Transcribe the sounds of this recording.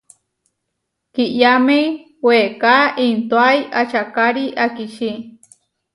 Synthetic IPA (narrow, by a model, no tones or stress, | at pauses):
kiʔjamej | wekaʔint̪oajʔat͡ʃakaɾiʔakiʃi